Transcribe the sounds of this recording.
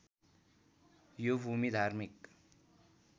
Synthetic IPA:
jobʱumid̪ʱaɾmik

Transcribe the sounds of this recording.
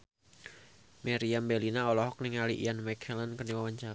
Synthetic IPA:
meɾiambɛlinaɔlɔɦɔk̚niŋalḭʔḭjanmɛkʰɛlankərniwawaɲt͡ʃa

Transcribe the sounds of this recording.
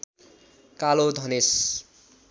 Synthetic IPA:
kalod̪ʱʌnes

